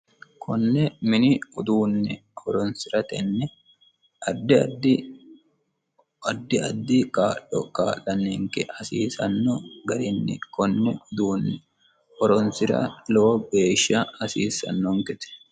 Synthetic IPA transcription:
kʰɔnːɛmɪnɪʊd̪uːnːɪhɔɾɔnsɪɾɐt̪ɛnːɛ | ɐd̪ːɪd̪ | ɐd̪ːɪɐd̪ːɪkaːlɔ̰kaːlːɐnːeːŋkɛhɐsiːsɐnːɔɡɐɾɪnːɪ̰kɔnːɛʊd̪uːnːɛ | hɔɾɔnsɪɾɐ̰lɔbe̞ːʃːɐhɐsiːsːɐ̰nːɔŋkɪt̪ɛ̥

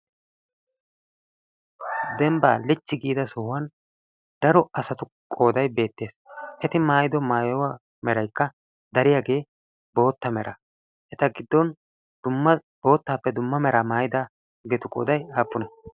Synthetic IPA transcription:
d̪ɛmbaːlɪt͡ʃːɪɡiːd̪ɐsʊhʊwɐn | d̪ɐɾɔɐsɐt̪ʊ | kʼo̞ːd̪ɐjbe̞ːt̪ːe̞ːsʔɛt̪ɪmaːjɪd̪ɔmaːjɔwa | mɛɾɐjkːɐ | d̪ɐɾɪjaːɡe̞ː | bo̞ːt̪ːɐmɛɾʔɐ | ʔɛt̪ɐɡɪd̪ːɔn | d̪̥ʊmːɐ | b̥o̞ːt̪ːaːpːɛd̪ʊmːɐmɛɾaːmaːjɪd̪a | ɡɛt̪ʊkʼo̰ːd̪ɐjaːpːʊnɐ

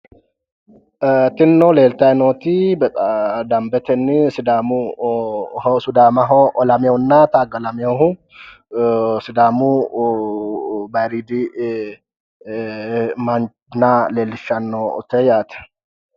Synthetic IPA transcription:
t̪ɪnːoleːlt̪ɐɛnoːt̪ibɛd̪ɐmbɛt̪ɛnːɪsɪd̪aːmu | hsʊd̪aːmɐɦoʔɔlɐmoʊnːat̪aːɡɐlɐmɪohʊ | sɪd̪aːmu | bɐɾid̪i | mɐn | nːaleːlːɪʃːɐnːo̰t̪ɛjat̪ɛ̥

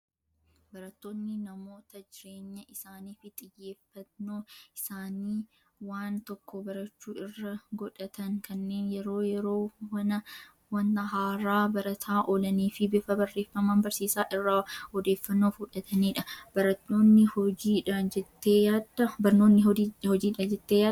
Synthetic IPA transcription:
bɐɾɐt̪ːoːnːɪnɐmo̞ːt̪ɐd͡ʒɪɾeːɲːɐʔɪsaːniːfɪt̪ʼɪjːe̞ːfːɐnoːɪsaːniː | waːnt̪ɔkːɔbɐɾɐt͡ʃːuːɪrːɐɡɔᶑɐt̪ɐŋkʰɐnːe̞ːnjɛɾo̞ːjɛɾo̞ːwɐnɐ | wɐnːɐɦaːɾaːbɐɾɐt̪ʰaːʔoːlɐniːfɪbɪfɐbɐrːe̞ːfːɐmɐnbɐɾsiːsaːʔɪrːɐhɔd̪e̞ːfːɐnːoːfʊᶑɐt̪ʰɐniːᶑɐb̥ɐɾɐt̪ːoːnːɪhɔd͡ʒiːᶑɐd͡ʒɛt̪ːeːjaːd̪ɐbɐɾno̞ːnːɪhɔd͡ʒiːᶑɐd͡ʒɛt̪ːeːjaː

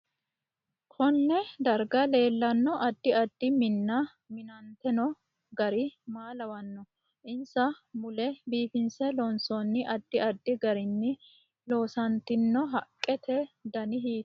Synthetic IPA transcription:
kʰɔnːɛd̪ɐɾɡɐle̞ːlːɐnːɔʔɐd̪ːɪɐd̪ːɪmɪnːɐ | mɪnɐnt̪ɛnɔ | ɡɐɾɪmaːlɐwɐnːɔ | ʔɪnsɐmʊlɛbiːfɪnsɛlɔnsɔnːɪʔɐd̪ːɪɐd̪ːɪɡɐɾɪnːɪ | lo̞ːsɐnt̪ɪnːɔɦɐkʼːɛt̪ʰɛd̪ɐnɪɦiːt̪

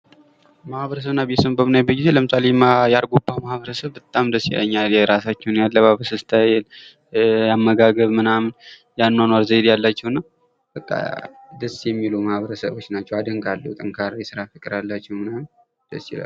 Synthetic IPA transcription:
mahβəɾəs̬əβnabet̪sɨmbəmɨnajbəɡize̞ləmɨsalemjaɾɡobamahβəɾəsəβbət̪ʼamd̪əsːḭlə̰ɲːaljɛɾasat͡ʃːɛwnjalːəmahβəɾəsəβsɨt̪ʰajɛl | jamːəɡaɡəβmɨnamn | janːanwaɾzəjd̪jalːat͡ʃːɛwnːa | bəkʼːa̰ | d̪əsjɛmːilumahβəɾəsəβo̞t͡ʃːnat͡ʃːɛwad̪əŋkʼalːṵt̪ʼɨŋkʰaɾjɛsɨɾafɨkʼɨɾalːat͡ʃːɛwmɨna | d̪̥əsila̰l

